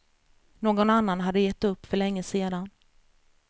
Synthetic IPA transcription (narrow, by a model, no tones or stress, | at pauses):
noːɡɔnanːanɦad̪ːəjɛt̪ːɵpːfœɭɛŋːəseːd̪an